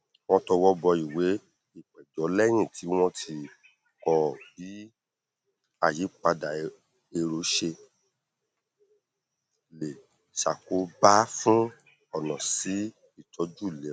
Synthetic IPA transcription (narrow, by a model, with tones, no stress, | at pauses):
w̃ɔ̃˧tɔ˧wɔ˦bɔ˧i˨we˨˦ | i˦˨k͡pɛ˨d͡ʒɔ˨˦lɛ˦j̃ĩ˦˨tʰi˨˦w̃ɔ̃˦tʰi˧ | kɔ˧bi˨˦ | a˨ji˨˦k͡pa˧da˨ | e˧ɾo˨˦ʃe˧ | le˨ | ʃa˨ko˨˦ba˦fũ˦ | ɔ˦˨nã˨si˨˦ | i˦˨tʰɔ˨˦d͡ʒu˦˨le˨˦